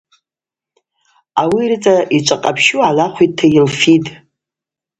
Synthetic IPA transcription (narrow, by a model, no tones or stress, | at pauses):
awirt͡sʼaʔit͡ʃʷʼaqʼapʰʃualaχʷit̚tʰːajɪlfitʼ